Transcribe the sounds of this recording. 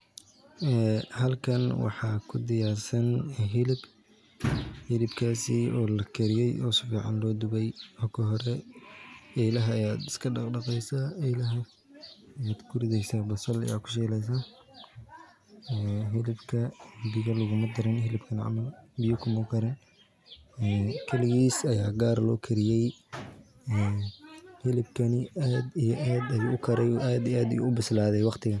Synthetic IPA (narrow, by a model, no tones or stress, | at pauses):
ɛːɦɐlkʰɐnwɑ̰ħɑːkʰʊd̪ɪjaːrsɐnɦɪlɪb | hɪlɪbkʰaːsiɔːlɐkʰɛɾɪjɛjʔɔːsʊfiːʕɑ̰nlɔːd̪ʊbɛjɔkʰɐɦɔɾɛ | ɛjlɐɦɐːjaːd̪ɪ̥skʰɐɖɑqɖɑqɛjsaɛjlɐɦɐ | jaːd̪kʰʊɾɪðɛjsaːbɐsɐlɐ̰jaːkʰʊ̥ʃ̬ɛːlɛjs̬a | ɛːɦɪlɪbkʰɐbɪɣɐlʊɣʊmɐd̪ɐɾɛnɦɪlɪbkʰɐnɪʕɑ̰mɐlbɪjʊkʰʊmɐkʰɐɾɛn | ɛːkʰɐlɪɣiːsɐjaːɡaːɾlɔːkʰɐɾɪjɛj | ɛː | hɪlɪbkʰɐnɪʔaːd̪ijɔʔaːd̪ɐjuːʊkʰɐɾɛjʔaːd̪iaːd̪ɐjṵʊbɪslaːðɛjwɑqt̪ʰɪɣɐ